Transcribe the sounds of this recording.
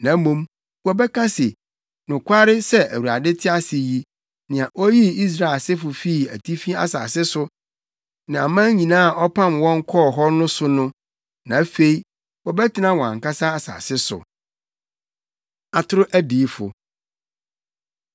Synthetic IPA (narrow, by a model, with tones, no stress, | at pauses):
nã˨˦mũ˦m | wɔ˨bɛ˦kʰa˦sɪ˨ | nʊ̃˨kʷʰa˦ɾɪ˦sɛ˦ʔæ̰˨wu˨a̰˨dɪ˦tʰɪ˦a˦sɪ˨ji˦ | nɪ̃˨a˨ʔɔ˦ji˦i˦s̬ɾa˨e˨lsɪ˦fʊ˨fi˦˨æ̰˨tʰi˦fi˦a̰˨sa̰˨sɪ˦sʊ˦ | nã˨a˨mã˦ɲĩ˨nãː˦a˨ʔɔ˦pʰã˦mwɔ̃˦ŋ̩˦kʰɔ˦˨ɦɔ˦nʊ̃˦sʊ˦nʊ̃˦ | nã˨˦fe˦i˦ | wɔ˨bɛ˦tʰɪ˨nã˦wɔ̃˨ã̰˨ŋka˦sa˦a˨sa̰ː˨sɪ˦sʊ̰˨ | a˨tʰʊ˦ɾʊ˦ʔæ˦di˨˦fʊ̰˨